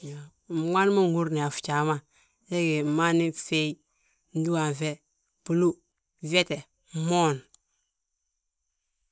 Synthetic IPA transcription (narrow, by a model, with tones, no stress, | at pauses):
ja˨ | m˨ma˦n˦ma˦ŋɡu˦ɾni˨a˨fu̥˨t͡ʃa˨ma˦ | je˦ɡe˨ma˦ni˦fe˦i˦ | n̩˦du˦wa˨ve˦ | pu˨lu˦˨ | ve˦te˨ | mo˦˨n